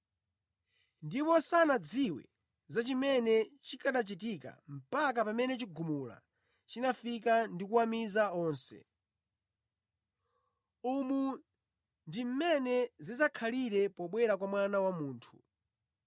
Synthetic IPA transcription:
ndipɔsanad͡ziwɛ̰ | zat͡ʃimɛnɛt͡ʃikʰaɗat͡ʃit̬ika̰m̩pak̬apamɛnɛt͡ʃiɡumula̰ | t͡ʃinafikandikuwamizaɔːnsɛ̰ | umu | ndim̩mɛnɛzizakʰaliɾɛpɔɓwɛɾakwamwanawamuːntʰu̥

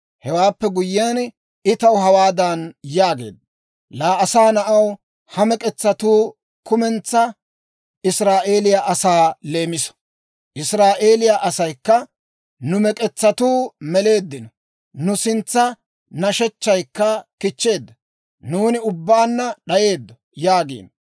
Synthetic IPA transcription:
hɛwaːpːɛɡʊjːɪjan | ɪt̪ɐwɦɐwaːd̪ɐnjaːɡe̞̰ːd̪ːɐ | laːɐsaːnɐʔɐw | hɐmɛkʼɛt͡sːɐt̪uː | kʊmɛnt͡sːɐ | ɪsɾaːʔe̞ːlɪjaʔɐsaːle̞ːmɪsɔ̥ | ʔɪsɾaːʔe̞ːlɪjaʔɐsɐjkːɐ | nʊmɛkʼɛt͡sːɐt̪uːmɛle̞ːd̪ːɪnɔ | nʊsɪnt͡sːɐ | nɐʃɛt͡ʃːɐjkːɐkɪt͡ʃːe̞ːd̪ːɐ | nuːnɪʊbːaːnːɐɗɐje̞ːd̪ːɔ | jaːɡḭːn

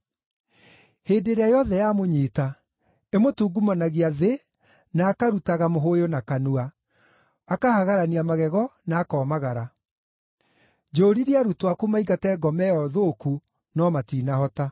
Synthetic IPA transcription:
heːdeɾeajɔðɛjamoɲiːta | emotuːɡumanaɣiaðe | naːkaɾutaɣamoɦojonakanuaː | kahaɣaɾaniamaɣɛɣɔnaːkɔːmaɣaɾa | d͡ʒoːɾiɾiaɾutwakumaiɡatɛɡɔmɛɔðoku | nɔmatiːnahɔta

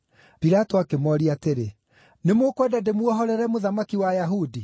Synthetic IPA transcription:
piɾatoakemɔɾiateɾe | nemokwɛdademwɔɦɔɾɛɾɛmoðamakiwajaɦudi

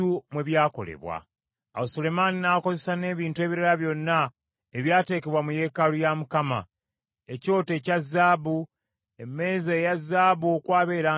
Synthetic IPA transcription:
umwe̞βjaːko̞̰lḛβwa̰ | awosole̞maninako̞ze̞sane̞ːβiːntue̞ːβiɾaɾaβjo̞nːa | eβjaːte̞ːke̞βwamuje̞kalujamukama̰ | eco̞ːte̞cazːaːβu | eme̞ːzejazːaːβuokwaːβe̞ːɾaː

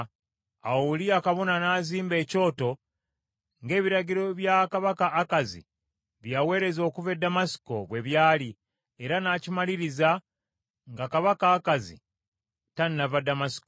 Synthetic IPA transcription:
auliakaβo̞nanaziːmbe̞ːco̞ːto̞ | ŋɡe̞ːβiɾaɟiɾo̞βjakaβakaʔːkazḭ | βjawe̞ːɾe̞zo̞ːkuve̞damasi̥ko̞βwe̞βjaːli | e̞ɾanacimaliɾiza | ŋɡakaβakaːkazḭ | tannavadamasi̥ko

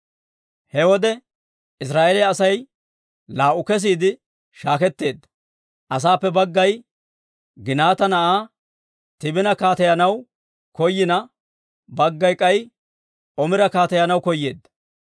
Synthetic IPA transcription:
hɛwɔd̪ɛ | ɪs̬ɾaːʔelɪɐsɐj | laːʔʊkɛs̬iːd̪ɪ | ʃaːkɛt̪ːe̞ːd̪ːɐ̥ | ʔɐs̬aːpːɛbɐɡːɐj | ɡɪnaːt̪ɐnɐʔaː | t̪ɪbɪnɐkaːt̪ɐjɐnɐw | kɔjːɪnɐ | bɐɡːɐjkʼɐj | ʔɔmɪɾɐkaːt̪ɐjɐnɐwkɔjːe̞ːd̪ːɐ̥

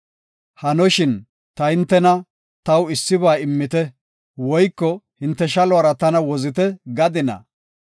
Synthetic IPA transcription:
hɐnɔʃɪn | t̪ɐhɪnt̪ːɛnɐ | t̪ɐwɪsːɪβaːɪmːɪt̪ɛ | wɔjkːɔhɪnt̪ːɛʃɐlʊɐɾɐt̪ɐnɐwɔzɪt̪ɛɡɐd̪ɪnɐ̰

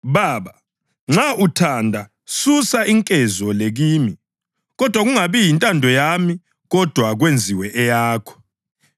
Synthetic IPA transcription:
βaːβa | ŋ͡ǁaʔutʰandʱa | susaiŋkʼɛzɔleɣiːmi | ɣɔd̥ʱwaɣuŋaβijintʼandʱɔjami | ɣɔd̥ʱwaɣwend͡zʱiwɛʔɛjaːkʰɔ̥

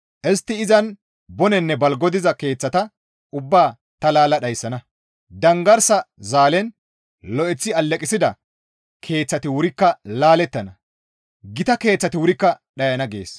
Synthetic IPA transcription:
ʔɛst̪ːɪɪzɐn | bɔnɛnːɛbɐlɡɔd̪ɪzɐke̞ːt͡sːɐt̪ɐ | ʔʊbːaː | t̪ɐlaːlɐɗɐjsːɐnɐ | d̪ɐŋɡɐɾsɐzaːlɛn | lɔʔɛt͡sːɪɐlːɛkʼɪsɪd̪ɐ | kʰe̞ːt͡sːɐt̪ɪwʊɾɪkːɐlaːlɛt̪ːɐnɐ | ɡɪt̪ɐke̞ːt͡sːɐt̪ɪwʊɾɪkːɐ | ɗɐjɐnɐɡe̞̰ːs

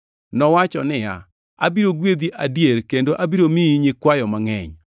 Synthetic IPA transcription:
nɔwat͡ʃɔnɪja̰ | a̰biɾoɡwed̪iʔadjeɾkendoʔabiɾomiiɲɪkwajɔmaŋɛ̰ɲ

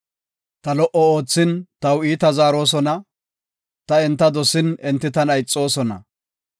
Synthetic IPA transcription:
t̪ɐlɔʔɔo̞ːt͡sːɪnt̪ɐwiːt̪ɐzaːɾo̞ːs̬ɔnɐ | t̪ɐɛnt̪ːɐd̪ɔsɪnɛnt̪ːɪt̪ɐnɐjt͡sʼːo̞ːsɔnɐ̰

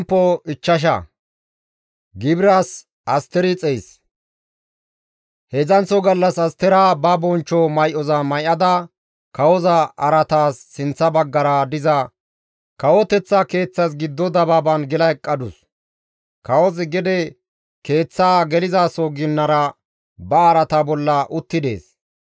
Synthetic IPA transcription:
pːɔɪt͡ʃːɐʃ̬ɐ̰ | ɡɪbɪɾas | ʔɐst̪ɛɾɪt͡sʼɛjs | hɛzɐnt͡sːɔɡɐlːɐsɐst̪ɛɾaːbɐbɔnt͡ʃːɔmɐjʔɔzɐmɐjʔɐd̪ɐ | kɐwɔzɐʔɐɾɐt̪aːsːɪnt͡sːɐbɐɡːɐɾɐd̪ɪzɐ | kɐwɔt̪ɛt͡sːɐke̞ːt͡sːɐsɡɪd̪ːɔd̪ɐbɐbɐnɡɪlɐjkʼːɐd̪ʊs | kɐwɔzɡɛd̪ɛ | ke̞ːt͡sːaːɡɛlɪzaːsɔɡɪnːɐɾɐ | bɐːɾɐt̪abɔlːɐʔʊt̪ːɪd̪e̞̰ːs

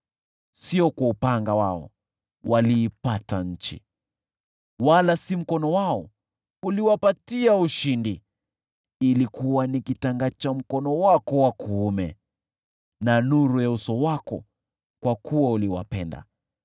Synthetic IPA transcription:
siɔkwaupaŋɡawaɔ̰ | wʔaliːpataɲ̩t͡ʃḭ | walasim̩kɔnɔwaɔ | uliwapatiauʃindi | ilikuwanikitaŋɡat͡ʃam̩kɔnɔwakɔwakʰuːmɛ | nanuɾujausɔwakɔ | kwakuwauliwa̰pɛnda̰

